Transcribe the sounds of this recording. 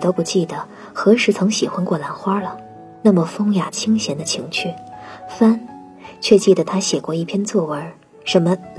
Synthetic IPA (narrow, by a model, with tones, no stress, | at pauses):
t̪o˥ʊpu˧˩t͡ɕi˥˩d̪ə˩ | xɤ˧˥ʂɻ̩˧˥t͡sʰɤ˧˥ŋɕi˨˩xwa˥nkwɔ˥˩la˧˥nxwa˥lə˨ | na˥˩mə˩fɤ˥ŋja˨˩t͡ɕʰi˥ŋɕjɛ˧˥nd̪ə˧t͡ɕʰi˧˥ŋt͡ɕʰy˥˩fa˥n | t͡ɕʰɥɛ˥˧t͡ɕi˥˩d̪ə˩t̪ʰa˥ɕjɛ˨˩kwɔ˥˧i˥˩pʰjɛ˥nt͡swɔ˥˩wə˧˥ | ʂə˧˥nmə˧